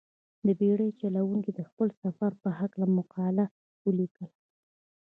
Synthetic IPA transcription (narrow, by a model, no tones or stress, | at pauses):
d̪əbeɽəjt͡ʃalawuŋkid̪əxpəlsafaɾpəhaklamʊqɑla | wəlikəl